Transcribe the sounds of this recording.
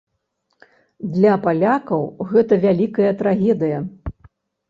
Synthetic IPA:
d̪lʲɐpalʲakɐwɣɛt̪ɐvʲalʲikɐjɐt̪ɾaɣʲɛd̪ɨjɐ

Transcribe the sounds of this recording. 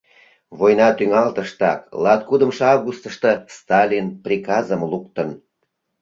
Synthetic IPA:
βojnɑt̪yŋɑlt̪əʃt̪ɑklɑt̪̚kud̪əmʃeɑvɣust̪əʃt̪ə̆st̪ɑlʲinprʲikɑzəmlukt̪ən

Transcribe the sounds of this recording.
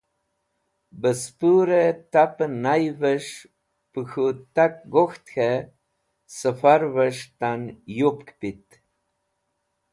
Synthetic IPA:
bəspuɾet̪apənajvəʃ | pəxut̪ak̚ɡoxt̪xe | səfaɾvəʃt̪anjup̚kpit̪

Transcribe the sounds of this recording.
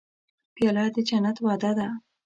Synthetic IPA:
pjɑlɑd̪əd͡ʒanat̪wɑd̪ad̪a

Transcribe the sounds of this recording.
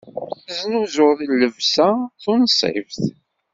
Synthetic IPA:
znuzʊɾðilːəvsaθʊnsˤḛvθ

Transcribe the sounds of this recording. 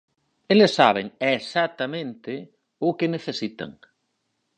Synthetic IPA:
elesːaβ̞eŋesat̪amẽnt̪e | ʊkeneθesit̪a̰ŋ

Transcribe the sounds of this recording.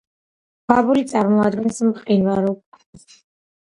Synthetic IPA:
ɡabulit̪sʼaɾmɔad̪ɡɛnsmqʼinvaɾɔkʼa

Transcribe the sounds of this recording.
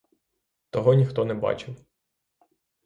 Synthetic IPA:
t̪ɔɦɔnʲixt̪ɔnɛbɑ̰t͡ʃɪw

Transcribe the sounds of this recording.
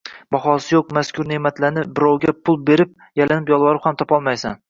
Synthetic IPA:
bɒχɒsɪjoq̚maskʲʰʊɾnemat̪ʰlanɪp̚bɪɾɒwɡʲapʰːʊlˠbeɾɪp̚ | jalanɪpjɒlˠvɒɾɪphamt̪ʰɒpɒlˠmajsa̰n

